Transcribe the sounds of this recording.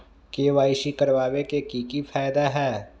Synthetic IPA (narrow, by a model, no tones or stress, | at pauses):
keːʋaːɪʃikɐɾʋaːʋekekiːkifʰaːjd̪aɦɛː